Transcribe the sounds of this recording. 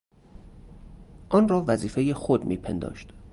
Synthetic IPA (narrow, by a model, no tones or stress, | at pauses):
ʔɒːnrɒːvæziːfe̞jexod̪mḭːpʰḛnd̪ɒ̰ːʃt̪